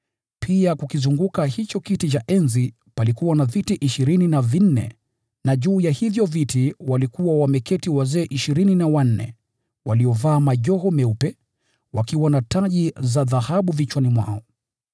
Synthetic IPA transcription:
pʰiakukizuŋɡukahit͡ʃɔkitit͡ʃaʔɛnzi | palikuwanavitiʔiʃiɾininavin̩nɛ̰ | naʄuːjahivjɔvitiwalikuwawamɛkɛtiwazɛːʔiʃiɾininawan̩nɛ̰ | waliɔvaːmaʄɔɦɔmɛupɛ | wakiwanataʄizaðahaɓuvit͡ʃwanimwa̰ɔ

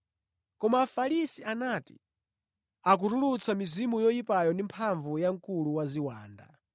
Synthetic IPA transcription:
kɔmaːfalisianati̥̰ | ak̬utulut͡sʰamizimujɔjipajɔndimpʰaɱvujaŋkuluwaziwaːnda̰

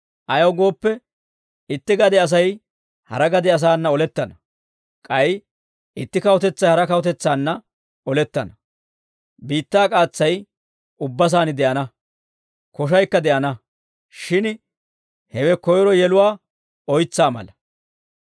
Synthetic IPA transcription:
ʔɐjɐwɡo̞ːpːɛ | ɪt̪ːɪɡɐd̪ɛɐs̬ɐj | hɐ̰ɾɐɡɐd̪ɛɐs̬aːnːɐɔlɛt̪ːɐnɐ | kʼɐj | ɪt̪ːɪkɐwɔt̪ɛt͡sːɐjhɐɾɐkɐwɔt̪ɛt͡sːaːnːɐ | ɔlɛt̪ːɐnɐ | biːt̪ːaːkʼaːt͡sːɐj | ʊbːɐs̬aːnɪd̪ɛʔɐnɐ | kɔʃ̬ɐjkːɐd̪ɛʔɐnɐ | ʃɪn | hɛwɛkɔjɔɾɔjɛlʊwaː | ɔjt͡sːaːmɐ̰lɐ

